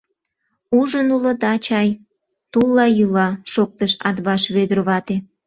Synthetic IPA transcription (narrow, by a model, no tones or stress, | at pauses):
uʒənulə̆d̪ɑt͡ɕɑj | t̪ulːɑjulɑʃok̚t̪əʃɑd̪βɑʃβød̪ərβɑt̪e